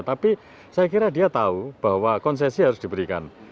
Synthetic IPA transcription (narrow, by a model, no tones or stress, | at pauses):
t̪api | sajakiɾad̪iat̪aub̥a̤wakɔnsɛsiɦaɾʊsd̪̥i̤bəɾika̰n